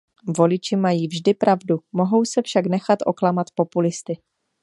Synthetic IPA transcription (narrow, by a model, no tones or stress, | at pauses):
vo̞lɪt͡ʃɪmajiːvʒdɪpɾʔavdumo̞ɦo̞wsɛfʃaknɛxat̪ʔo̞klamat̪po̞pulɪst̪ɪ